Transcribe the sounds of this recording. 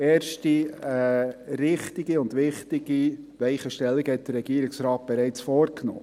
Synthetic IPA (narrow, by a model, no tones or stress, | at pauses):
eːɾʃtiɛɾɪχtɪɡ̥iʊnd̪ʋɪχtɪɡiʋɛɪχəʃtɛlːiɡəhɛt̚d̥ərɾɛɡiəɾɪksɾɑːt̚b̥ɛɾɛɪt͡sfɔːɾkno̰ː